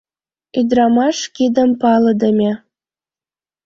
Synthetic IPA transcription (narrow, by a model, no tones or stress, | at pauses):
yd̪ɾɑmɑʃkid̪əmpɑləd̪əmʲe